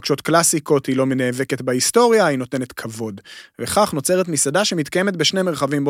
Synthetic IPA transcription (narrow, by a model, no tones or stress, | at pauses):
kʃo̞tklasiko̞t̪hilo̞meneːveke̞tbaisto̞ʁjaino̞te̞net̪kʰavo̞dveχaχno̞t͡se̞ʁet̪misadaʃemit̪kajeme̞t̪beʃneme̞ʁχavimb